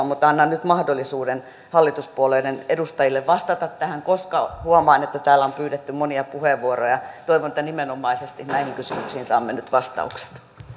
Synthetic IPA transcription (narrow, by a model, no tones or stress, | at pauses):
mmut̪ːɑnːɑnnyt̪mɑhdolːisuːden | hɑlːit̪uspuoleidenedust̪ɑjilːeʋʋɑst̪ɑt̪ɑt̪t̪æhæŋkoskɑhuomɑinet̪ːæt̪æːlːˑæompyːɾet̪ːymoniɑpuheʋʋuorojɑt̪oiʋonĕt̪ːænimenomɑisest̪ihnæihiŋkysymyksiːnsɑːmːenyt̪ʋɑst̪ɑ̰ukse̥t̪